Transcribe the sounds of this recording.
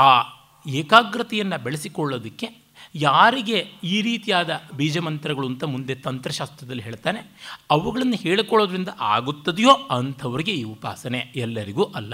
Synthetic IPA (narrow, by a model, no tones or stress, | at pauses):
aː | ɛːkaːɡɾɐt̪ɐjɐnːɐbeɭesikɔɭːoːd̪ikːe̞ | jaːɾiɡe̞iːɾiːt̪ijaːd̪ɐbiːd͡ʒɐmɐnt̪ɐɾɐɡɐɭunt̪ɐmund̪e̞t̪ɐnt̪ɾɐʃaːst̪ɾɐd̪ɐlːiɦe̞ːɭt̪aːne̞ɐʋuɡɐɭɐnːɐheːɭikɔɭːoːd̪ɐɾind̪ɐʔaːɡut̪ːɐd̪jo̞ːɐnt̪ʰɐʋɐɾiɡe̞iːupa̰ːsɐne̞ɛlːɐɾiɡuːʔɐlːɐ